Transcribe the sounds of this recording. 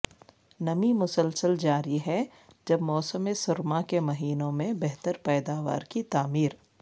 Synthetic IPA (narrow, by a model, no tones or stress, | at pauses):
nɐmimʊsəlsəld͡ʒaːɾiɦɛ | d͡ʒɐbmɔːsəmesʊɾmakemɐɦiːnõmẽbɛɦt̪əɾpɛːd̪aːʋa̰ːɾkit̪aːmiːɾ